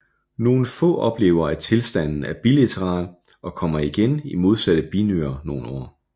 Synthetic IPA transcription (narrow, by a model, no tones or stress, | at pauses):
no̝ːn̩fɔ̰̽ːʔɒ̽b̥le̝̰ːʊɐæt͡sʰe̝lsd̥æn̰n̩æɐb̥ilæt͡sʰəʁɑ̰̈ːl | ʔɒ̽kʰɒ̽m̰ɐiɡ̥enimo̝ð̞ˠsæɾ̥əb̥inø̰ɐno̝ːn̩ɒ̰ː